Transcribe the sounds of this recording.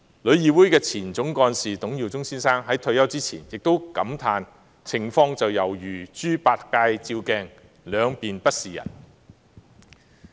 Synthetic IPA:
lɵ˨˧ɥjiː˨˧wuː˨˥jkɛː˧t͡sʰiː˨˩nt͡sʊ˨˥ŋkɔː˧nsiː˨t̪ʊ˨˥ŋjiː˨˩wt͡sʊ˥ŋsiː˥nsaː˥ŋɦɐ˨˥jt̪ʰɵ˧ɥjɐ˥wt͡siː˥t͡sʰiː˨˩njɪ˨k̚t̪o˥wkɐ˨˥mt̪ʰaː˧n | t͡sʰɪ˨˩ŋfɔː˧ŋt͡sɐ˨wjɐ˨˩wjyː˨˩t͡ʃyː˥paː˧t̚kaː˧jt͡siː˧wkɛː˧ŋ | lœː˨˧ŋpiː˨npɐ˥t̚siː˨jɐ̰˨˩n

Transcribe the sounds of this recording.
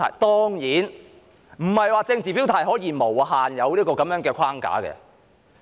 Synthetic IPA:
ɐ̰˨˩jt̪ɔː˥ŋjiː˨˥n | m̩˨˩hɐ˨jwaː˨˧t͡sɪ˧ŋt͡siː˨˩piː˨˥wt̪ʰɐ˨˩jɦɔː˨˥jiː˧mo˨˩wɦaː˨njɐ˨˧wliː˥kɔː˧kɐ˨˥mjœː˨˥ŋkɛː˧kʷʰaː˥ŋka̰ː˨˥kɛ̰˧

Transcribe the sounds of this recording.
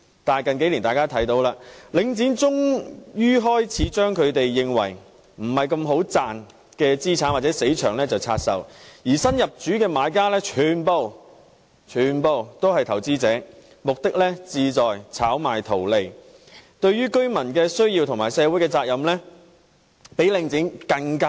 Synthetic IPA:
t̪aː˨˩jkɐ˨nke˨˥jliː˨˩nt̪aː˨jkaː˥t̪ʰɐ˨˥jt̪o˨˧wlaː˧lɪ˨˧ŋt͡siː˨˥nt͡sʊ˥ŋjyː˥ɦɔː˥jt͡sʰiː˨˥t͡ʃœː˥ŋkʰɵ˨˧ɥt̪e˨jːɪ˨˧ŋwɐ˨˩j | m̩˨˩hɐ˨jkɐ˧mɦo˨˥wt͡saː˨n | kɛː˧t͡siː˥t͡sʰaː˨˥nwaː˨˩t͡sɛː˨˥se˨˥jt͡ʃʰœː˨˩ŋlɛː˥t͡sɐ˨wt͡sʰaː˧t̚sɐ̰˨˩wjiː˨˩sɐ˥njɐ˨p̚t͡ʃyː˨˥kɛː˧maː˨˧jkaː˥lɛː˥t͡ʃʰyː˨npo˧w | t͡ʃʰyː˨˧npo˨˧wt̪o˥whɐ˨jt̪ʰɐ˨˩wt͡siː˥t͡sɛː˨˥ | mʊ˨k̚t̪ɪ˥k̚lɛː˥t͡siː˧t͡sɔː˨jt͡sʰaː˨˥wmaː˨˩jt̪ʰo˨˩wle˨˩j | t̪ɵ˧ɥɥyː˥kɵ˥ɥmɐ˨˩nkɛː˧sɵ˥ɥjiː˧wt̪ʰʊ˨˩ŋmaː˨˩jsɛː˨˧wuː˨˥jkɛː˧t͡saː˧k̚jɐ˨mlɛː˥ | pe˨˥jlɪ˨ŋt͡sɪ˨˥ŋkɐ˧ŋkaː˥

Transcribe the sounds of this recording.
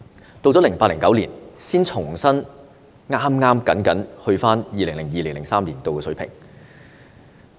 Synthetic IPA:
t̪o˧wt͡sɔ˨˥lɪ˨˩ŋpaː˧t̚lɪ˨˩ŋkɐ˨˥wlḭː˨˩nsiː˥nt͡ʃʰʊ˨˩ŋsɐ˥n | ŋaː˥mŋaː˥mkɐ˨˥nkɐ˨˥nhɵ˧ɥfaː˥njiː˨˧lɪ˨˩ŋlɪ˨˩ŋjiː˨lɪ˨˩ŋlɪ˨˩ŋsaː˥mliː˨˩nt̪o˨˧wkɛː˧sɵ˨˥ɥpʰɪ̰˨˩ŋ

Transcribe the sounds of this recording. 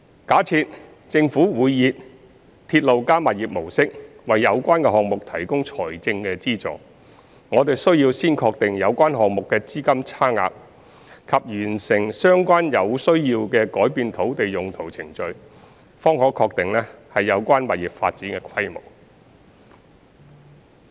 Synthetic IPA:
kaː˨˥t͡sʰiː˧t̚ | t͡sɪ˧ŋfuː˨˥wuː˨˧jːiː˨t̚ | t̪ʰiː˧t̚lo˨wkaː˥mɐ˨t̚jiː˨p̚mo˨˩wsɪ˥k̚wɐ˨˩jːɐ˨˧wkʷaː˥nkɛː˧ɦɔː˨k̚mʊ˨k̚t̪ʰɐ˨˩jkʊ˥ŋt͡sʰɔ̰ː˨˩jt͡sɪ˧ŋkɛ˧t͡siː˥t͡sɔ̰ː˨˩ | ŋɔː˨˧t̪e˨jsɵ˥ɥjiː˧wsiː˥nkʰɔː˧k̚t̪ɪ˨ŋjɐ˨˧wkʷaː˥nɦɔː˨k̚mʊ˨kːɛː˧t͡siː˥kɐ˥mt͡sʰaː˥ŋa̰ː˧k̚ | kʰɐ˨p̚jyː˨˩nsɪ˨˩ŋsœː˥ŋkʷaː˥njɐ˨˧wsɵ˥ɥjiː˧wkɛː˧kɔː˨˥jpiː˧nt̪ʰo˨˥wt̪e˨jjʊ˨ŋt̪ʰo˨˩wt͡sʰɪ˨˩ŋt͡ʃɵ˨˧ɥ | fɔː˥ŋhɔː˨˥kʰɔː˧k̚t̪ɪ˨ŋlɛː˥hɐ˨jːɐ˨˧wkʷaː˥nmɐ˨t̚ji˨˩p̚fa̰ː˧t̚t͡siː˨˥nkɛː˧kʰɐ˥jmʊ̰˨˩k̚

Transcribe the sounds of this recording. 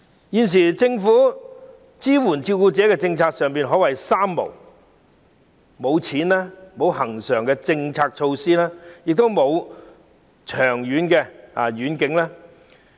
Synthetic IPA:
jiː˨˧ns̬iː˨˩t͡sɪ˧ŋfuː˨˥ | t͡siː˥wuː˨˩nt͡siː˧kuː˧t͡sɛː˨˥kɛː˧t͡sɪ˧ŋt͡sʰaː˧k̚sœː˨ŋpiː˨nɦɔː˨˥wɐ˨˩jsaː˥mːo̰˨˩w | mo˨˧wt͡sʰiː˨˥nlaː˥mo˨˧whɐ˨˩ŋsœː˨˩ŋkɛː˧t͡sɪ˧ŋt͡sʰaː˧k̚t͡ʃʰo˧wsiː˥laː˥jɪ˨k̚t̪o˥wmo˨˧w | t͡ʃʰœː˨˩ŋjyː˨˥nkɛː˧a̰˨˩ɥyː˨˥nkɪ˨˥ŋlaː˥

